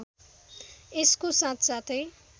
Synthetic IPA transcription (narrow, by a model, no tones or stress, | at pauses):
eskosãt̪ʰt͡sat̪ʰej